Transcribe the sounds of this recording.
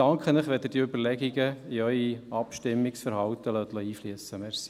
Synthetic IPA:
ɑŋkχənəχʋɛd̪əd̥iɵbəɾlɛɡiɡəiœʏiɑpʃtɪmːɪksfəɾhɑwt̪əlœt̪lɔiːfliəsəmeɾs

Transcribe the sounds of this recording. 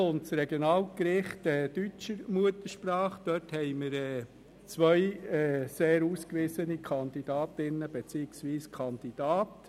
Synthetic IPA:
ʊntsɾɛɡjonɑːlkɾɪχtɛːd̥yt͡ʃəɾmuətəɾʃpɾɑːχd̥œthɛɪməɾɛː | t͡sʋœʏɛseːɾuːskʋɪsənikʰɑnd̪id̥ɑːt̪ɪnːəb̥et͡siːɪksʋiːskʰɑnd̥̪id̥ɑːt

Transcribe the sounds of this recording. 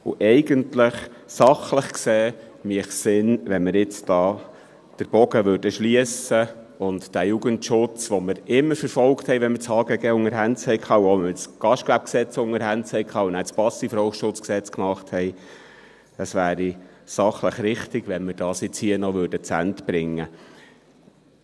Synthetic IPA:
ʊ̰ʔɛɪɡəntləχ | sɑχləχkseː | miəχsɪnʋɛnmɪɾɪt͡sd̥ɑː | d̥əɾb̥ɔɡəʋøɾdəʃliəsə | ʊntd̥æjuɡəntʃʊt͡sʋɔməɾɪmːəɾfəɾfɔlkthɛjʋɛnmət͡shɑːɡəɡɛːʊŋəɾɦænt͡shɛɪkʰɑːuɔmɪɾɪt͡sɡ̥ɑʃtkʋæp̚ksɛt͡sʊŋəɾhænt͡shɛɪkʰɑːunæspɑsːifɾɔʊʃʊt͡sksɛt͡skmɑχthɛɪ | əsʋæːɾisɑχləχɾɪχtɪɡʋɛnməɾd̥ɑːsjɪt͡shiənɔʋøɾdət͡sæ̰ntbɾɪŋːə

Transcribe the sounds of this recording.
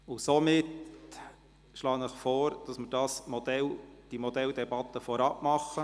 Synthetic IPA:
ʊsomɪt | ʃlɑːnəχfɔːɾd̥ɑsmɪɾd̥ɑːsmɔd̥̪ɛld̥imɔd̥̪ɛld̥̪ɛbɑt̪ːəfɔɾɑpmɑχːə

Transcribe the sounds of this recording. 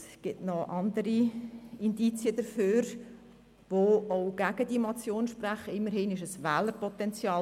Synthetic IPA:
sɡ̥ɪtnɔʔɑnd̪əɾiɪndit͡siəd̥̪əɾføːɾ | ʋooʊɡ̥æɡ̥əd̥imɑt͡sjoːnʃpræχəɪmːəɾhɪnɪʃəsʋɛːləɾpɔt̪ɛnt͡sjɑː

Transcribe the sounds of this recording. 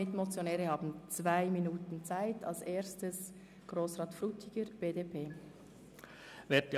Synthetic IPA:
ɪtmot͡sjonɛːʁəhɑːbn̩t͡svaɪminuːtn̩t͡saɪtʰɑ̰lseːstəs | ɡ̥ʁoːsʁɑːtfʁuːtʰɪɡ̥əɾb̥eːdeːpʰeː | vɛt

